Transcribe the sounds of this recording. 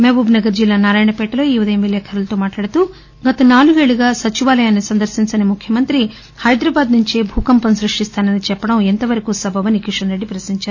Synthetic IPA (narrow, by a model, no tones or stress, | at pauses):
mebuːbnɐɡɐɾd͡ʒilːaːnaːɾaːjɳɐpɛːʈɐloːiːʋɐd̪eːmʋilɛːkʰɐɾɐlɐt̪oːmaːʈlaːɽɐt̪u | ɡɐt̪ɐnaːluɡeːɭuɡaːsɐt͡ʃiʋaːlɐjaːnːisɐnd̪ɐɾsiɲt͡ʃɐnimukʰjɐmɐnt̪ɾi | hɐjd̪ɾaːbaːd̪nuɲt͡ʃebʱuːkɐmpɐmsɾuʂʈist̪aːnɐnit͡ʃɛpːɐɽɐment̪ɐʋɐɾɐkusɐbʱɐʋɐnikiʂɐnɾeɖːipɾɐsniɲt͡ʃaːɾu